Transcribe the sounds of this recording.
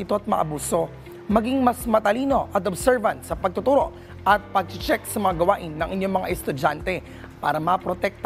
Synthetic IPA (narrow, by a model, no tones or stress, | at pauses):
ɪt̪o̞ʔɐt̪̚mɐ̰ʔɐ̰buːso̞ | mɐɡiŋmɐsmɐt̪ɐliːno̞ʔɐt̪̬obsɛɹvɐnt̪sɐpɐɡ̚t̪ʊt̪uːɾo̞ʔ | ʔɐt̪̚pɐɡ̚t͡ʃɪt͡ʃɛksɐmɐŋaɡɐwaːʔɪnːɐŋʔɪɲjo̞ŋmɐŋa̰ʔɛst̪ʊd͡ʒant̪ɛ | pa̰ːɾɐmɐpɾot̪ɛk̚t̪